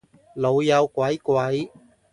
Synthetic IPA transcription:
lo˨˧wjɐ˨˧wkʷɐ˨˥jkʷwɐ˨˥j

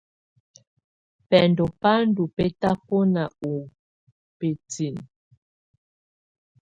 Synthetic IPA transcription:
pɛ˨ndɔ˨pa˦n˦du˨pe˦ta˦pɔ˦na˨u˨ | pe˨ti˨n

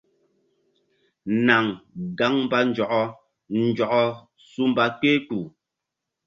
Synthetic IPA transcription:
na˨ŋɡa˨˦ŋmba˦n̩˦d͡ʒɔ˨ʔɔ˦ | n̩˨d͡ʒɔ˨ʔɔ˦ | su˦m˦ba˦k͡pe˦tu˨

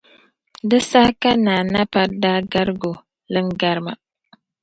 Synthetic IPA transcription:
dɨ˦sa˦hka˦naː˨na˦pa˦ɾda˦ɡa˦ɾɨ˦ɡo˨ | lɨ˦ŋɡa˦ɾɨ˦ma˨

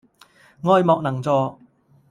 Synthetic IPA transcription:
ŋɔː˧jmɔː˨˧k̚nɐ˨˩ŋt͡sɔː˨˧

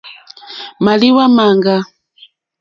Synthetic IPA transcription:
ma˨li˦wa˦ma˨ŋɡa˦

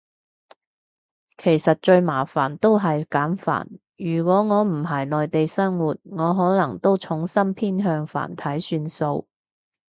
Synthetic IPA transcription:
kʰe˨˩jsɐ˨t̚t͡ʃɵ˧ɥmaː˨˩fa̰ː˨˩nt̪o˥wɦɐ˨jkaː˨˥nfa̰ː˨˩n | jyː˨˩kʷwʷɔː˨˥ŋɔː˨˧m̩˨˩ɦɐ˨˩jlɔː˨jt̪e˨jsɐ˥ŋwuː˨t̚ŋɔː˨˧ɦɔː˨˥lɐ˨˩ŋt̪o˥wt͡ʃʰʊ˨˥ŋsɐ˥mpʰiː˥nɦœː˧ŋfa̰ː˨˩nt̪ʰɐ˨˥jsyː˧nso˧w

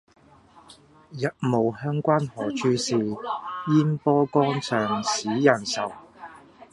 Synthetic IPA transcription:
jɐ˨t̚mo˨whœː˥ŋkʷaː˥nhɔː˨˩t͡ʃʰyː˥siː˨˧jiː˥npɔː˥kɔː˥nt͡sʰœː˨ŋsiː˨˥jɐ˨˩nsɐ˨w

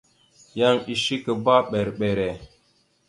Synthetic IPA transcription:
ja˦ŋi˨ʃi˦kə˨ba˦ɓe˨ɾɓe˨ɾe˨

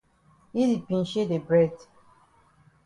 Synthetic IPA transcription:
i˦di˨pĩ˨n˨ʃe˦de˨bɹɛ˦d

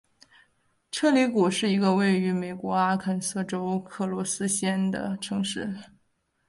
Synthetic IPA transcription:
ʈ͡ʂʰɤ˥˧li˧˥ku˨˩ʂɻ̩˥˩i˧˥ɡə˧we˥˩ɪy˧˥me˨˩ɪkwɔ˧˥a˥kʰə˧˩nsɤ˥˩ʈ͡ʂo˥ʊkʰɤ˥˩lwɔ˧˥sɹ̩˥ɕjɛ˥nd̪ə̰˩ʈ͡ʂʰɤ˧˥ŋʂɻ̩˥˩

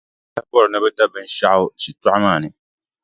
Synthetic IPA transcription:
ta˦bɔ˦ɾɨ˨nɨ˦bɛ˦ta˦bɛ˦n˦ʃa˦ʔʃi˨tʊ˦ʔa˦maː˦˨nɨ˨

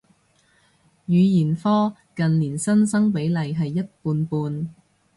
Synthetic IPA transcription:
jyː˨˧jiː˨˩nfɔː˥ | kɐ˨nliː˨˩nsɐ˥nsɐ˥ŋpe˨˥jlɐ˨jɦɐ˨jːɐ˥t̚puː˧npuː˧n

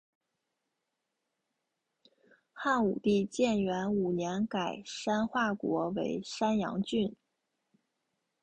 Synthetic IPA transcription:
xa˥˩nu˨˩t̪i˥˧t͡ɕjɛ˥˩nɥɛ˧˥nu˨˩njɛ˧˥nka˨˩ɪʂa˥nxwa˥˩kwɔ˧˥we˧˥ɪʂa˥njɑ̰˧˥ŋt͡ɕy˥˩n

